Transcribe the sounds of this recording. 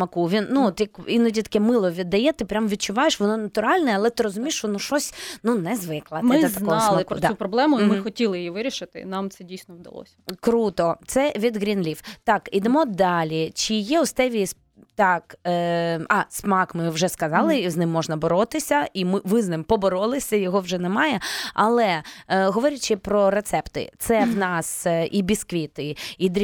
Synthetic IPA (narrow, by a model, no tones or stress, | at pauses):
smɐkuʋʲinnːuɔt̪jɐkinɔdʲit̪ɐ̥kɛmɪlˠɔʋʲid̪ːɐjɛt̪ɪpɾʲamʋʲid̪̚t͡ʃʊʋɑjeʃʋɔnɔnɐt̪ʊɾɑlʲnɛɐlˠɛt̪ɪɾɔzʊmʲiːʃʋɔnɔʃɔsʲnunɛzʋɪklˠɐtmɪɛzɐk̪ɔɔɑslˠɐɪpkɾd̪upɾɔblˠɛmʊimmɪxɔtʲilˠɪjjiʋɪɾʲiʃɪt̪ɪ̰nɑmt̪sɛdʲijsʲnɔwd̪ɐ̰lˠɔ̰sʲɐ̥kɾut̪ɔt̪sɛʋʲid̪ɣɾʲinlʲiwt̪ɑkid̪ɛmɔd̪ɑlʲit͡ʃijɛʊst̪ɛʋʲis | t̪ɑk | ɑsmɑkmɪwʒɛskɐzɑlˠɪznɪmːɔʐnɐbɔɾɔt̪ɪsʲɐʔimɪʋɪznɪmpɔbɔɾɔlˠɪsʲɐjɔɦɔwʒɛnɛmɑjɛɐlˠɛɦɔʋɔɾʲɐt͡ʃɪpɾɔɾet̪sɛpt̪ɪ̰t̪sɛwnɑsʔibʲiskʋʲit̪ɪid̪ʲ